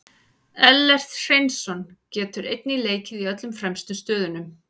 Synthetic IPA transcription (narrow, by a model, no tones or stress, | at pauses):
ɛlːɛr̥t̪r̥ejnsɔncɛːt̪ʏɾejt̪̚nileːjcɪðiœt̪lʏmfɾɛmst̪ʏst̪œːðʏnʏm